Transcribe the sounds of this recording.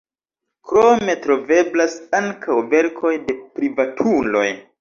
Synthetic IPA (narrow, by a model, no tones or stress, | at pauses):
kɾome̞tɾo̞ve̞blasaŋkʰawve̞ɾkʰo̞jde̞pɾivatʰulo̞̰j